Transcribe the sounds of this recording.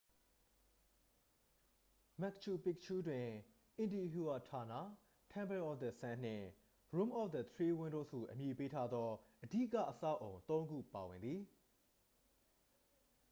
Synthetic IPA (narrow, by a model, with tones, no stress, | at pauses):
mɛ˦˨k̚t͡ʃʰu˨pɪ˦k̚t͡ʃʰu˦dwɪ̃˨ | ʔɪ̃˨ndi˨ɦu˨a˨tʰa˨na̰˦˨ | tʰã˦mbɛ˨ʔɔ˦˨fd̪ə˨sã˦n̥ɪ̰̃˦˨ | ɹũ˦mʔɔ˦˨fd̪ə˨t̪ʰɹi˦wɪ̃˦ndo˦˨sṵ˦˨ʔə˨mji˨pe˦tʰa˦d̪ɔ˦ʔədḭ˦ʔka̰˦˨ʔəsä̰˦˨ʔõ˨ʊ̃nt̪õ˦ʊ̃ŋɡṵ˦˨pa˨wɪ̃˨nd̪ði˨